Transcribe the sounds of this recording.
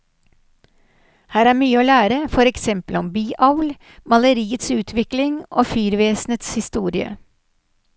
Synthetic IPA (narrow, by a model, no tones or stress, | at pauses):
hæːɾæːmyːəoːlæːɾəfɔɾɛksɛmpəlɔmbyːʔɑʊl | mɑləɾiːət̪sʉːt̪ʰʋɪklɪŋo̰ːfyːɾʋeːsnət̪shɪst̪uːɾɪə̰